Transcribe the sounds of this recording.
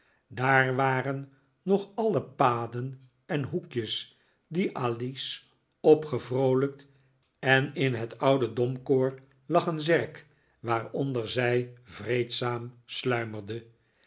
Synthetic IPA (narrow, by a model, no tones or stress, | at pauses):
daːrʋaːrənː | ɔχɑləpaːdən | ɛnɦukjəs | diʔaːlis | ɔpχəvrowlək̚t | ɛnɪnɦətɑwdədɔmkoːɹ | lɑχənzɛrk | ʋaːrɔndəɹzɛjvrejtsaːmslœɥmərdə